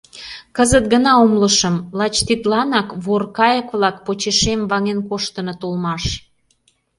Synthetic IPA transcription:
kəzət̪̚ɡənɑomləʃəmlɑt͡ɕt̪it̪lɑnɑkβorkɑjəkβlɑkpot͡ɕeʃemβɑŋenkoʃt̪ənot̪olmɑʃ

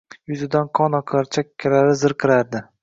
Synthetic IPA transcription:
jʊzɪd̪anqʰɒnɒqʰaɾt͡ʃʰakʲʰːalaɾɪzɨɾqʰɨɾaɾd̪ɪ

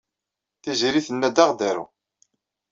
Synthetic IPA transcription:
θiziɾiθənːæd̪aʁd̪æɾṵ

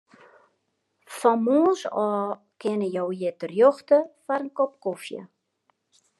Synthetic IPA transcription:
fɔmoːnsɔː | kɪnəjowjɪtərjoxtəfaɾənkop̚kofjə̰

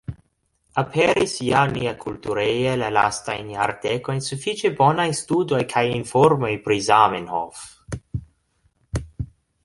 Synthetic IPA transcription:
apʰeɾisjaniakʰult̪uɾejelala̰st̪a̰jna̰ɾt̪ekojnsufit͡ʃebonajst̪ud̪ojkʰajinfoɾmojpɾizamenho̰f

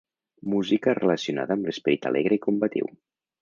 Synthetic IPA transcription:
muzikərələsiuna̰ðəːmləspəɾit̪ə̰lʔeɣɾəikumbət̪ḭw

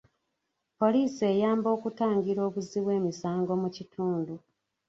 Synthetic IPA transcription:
po̞liːse̞jaːmbo̞ːkutaːŋɡiɾo̞ːβuziβwe̞ːmisaːŋɡo̞mucitʰuːndu

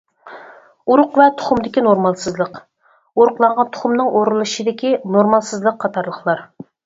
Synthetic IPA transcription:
uɾʊqvɛt̪ʰʊ̥χʊmd̪ɪkʲinoɾmɑlˠsɨzlˠəq | oɾʊqlˠɑɴʁɑnt̪ʰʊ̥χʊmnɨŋʔoɾɨlˠɨʃid̪ɪkʲinoɾmɑlˠsɨzlˠəqʰːɑt̪ʰɑɾlˠəχlˠɑɾ

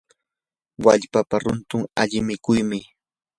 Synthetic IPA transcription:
waʎpapaɾʊnt̪ʊŋa̰ʎɪmɪkʊjmɪ

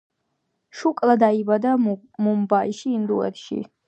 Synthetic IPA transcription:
ʃukʼlad̪aibad̪a | mumbaiʃiːnd̪uɛ̰ɾʃḭ

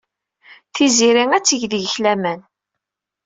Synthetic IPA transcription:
θiziɾiŋæt͡sːəʝðəʝəçlæmæn

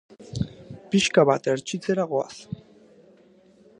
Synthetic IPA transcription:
piʃkaβat̪eɾt͡ʃit͡seɾaɣoa̰s

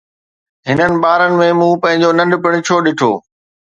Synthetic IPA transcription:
ɦɪnənɪ̆ɓaːɾənɪ̆mẽmũpɐ̃ɦɪ̃ɲ̆d͡ʑonɐ̃ɳɖpɪɽ̃ɪ̆t͡ɕʰoːɗɪʈʰo̰ː

